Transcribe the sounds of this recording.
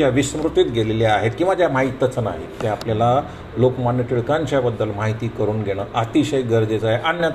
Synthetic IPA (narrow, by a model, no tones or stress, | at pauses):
aʋisəmɾut̪it̪ɡʱeleljeaɦet̪̚kĩw̃ʋad͡ʑjamaɦit̪ət͡səna̰ɦḛt̪eapljala | lokmɔniʈiɭkãɲt͡ɕabəd̪ːəlmaɦit̪iːkəɾuːnɡʱeɽ̃əːʔat̪iɕəjɡəɾd͡zet͡saɦeʔanjət̪